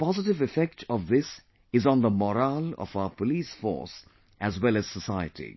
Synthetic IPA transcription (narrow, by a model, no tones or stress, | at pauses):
pɑzɪʈɪvɪfɛk̚ʈʰɔvðɪs | ɪz̃n̩d̪əmɔɾalɔ̰faʊəpəliːsfɔ̰ːɾs | ʔæzwɛlæz̥səsaɪə̰tʰḭ